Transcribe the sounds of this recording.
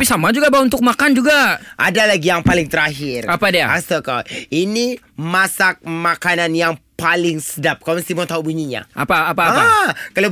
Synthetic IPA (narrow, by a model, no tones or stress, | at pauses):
pisamad͡ʒuɡabaunt̪ʊk̚makand͡ʒuɡaʔa̰dalaɡijaŋpalɪŋt̪əɾaɦɪrapadia̰asəkaini | masak̚makananjaŋpalɪŋsədap̚kloməst̪imɔŋt̪aubuɲiɲa̰ʔa̰paːpakələ